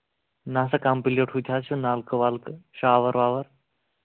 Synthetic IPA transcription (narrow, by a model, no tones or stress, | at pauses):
naːsɐkampileʈʰɦut̪ʰaːt͡ʃʰunaːlkɨʋaːlkɨʃaːʋɐɾʋaːʋɐɾ